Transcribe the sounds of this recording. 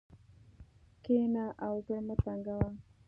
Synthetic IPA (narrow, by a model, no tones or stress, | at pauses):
kenaʔawkəɽmət̪aŋɡawa